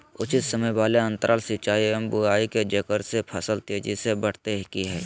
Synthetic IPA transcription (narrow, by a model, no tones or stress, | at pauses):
ʊt͡ʃɪt̪səməjbaːleɐ̃nt̪əɾʔaːlsɪt͡ʃaːiɛmbʊaːiked͡ʒɐkəɾsepʰɐsəlt̪eːd͡ʒisebəɽ̤t̪eɦɪkiɦɛː